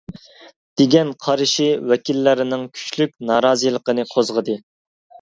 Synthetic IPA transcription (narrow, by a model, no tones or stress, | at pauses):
d̪̥eɡʲɛnqʰɑɾɨʃiwɛkʲilːɪɾɪnɪŋkʲʰy̥t͡ʃlyk̚ʲnɑːɾɑːzijlˠəqənɨqʰozʁəd̪ɨ